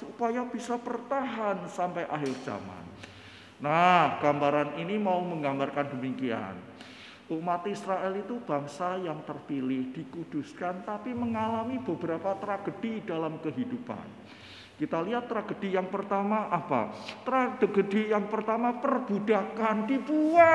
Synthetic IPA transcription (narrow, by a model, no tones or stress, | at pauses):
supajab̥isapərt̪aɦansampajʔaɦɪrd͡ʒa̰ma̰nː | ahɡ̥ambaɾaninimauməŋɡambarkandəmikia̰n | ʔumat̪isɾaʔɛlit̪ub̥aŋsajaŋt̪ərpilɪhd̥ikud̥uskant̪apiməŋalamibəbəɾapat̪ɾaɡ̥əd̥idalamkəɦidupa̰n | kit̪aliɦat̪ːɾaɡ̥əd̥ijaŋpərt̪amaʔapa̰t̪ɾaɡ̥əɡədijaŋpərt̪amapərb̥udakandipua